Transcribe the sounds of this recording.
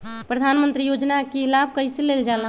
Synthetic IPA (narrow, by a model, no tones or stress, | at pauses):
pɾəd̪ʱanmənt̪ɾijod͡ʒnakelab̚ʱkəjseleld͡ʒal